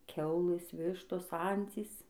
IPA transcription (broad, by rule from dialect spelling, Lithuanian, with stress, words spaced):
ˈkʲɛʊlˠɘs ˈʋʲɪʃtoːs ˈɐnʲt͡sʲiːs